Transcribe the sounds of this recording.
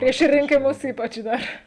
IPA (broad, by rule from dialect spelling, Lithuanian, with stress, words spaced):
pʲrʲiɛʃ rʲɪŋʲkʲɪˈmʊs ˈiːpɐt͡ʃ ˈdɐr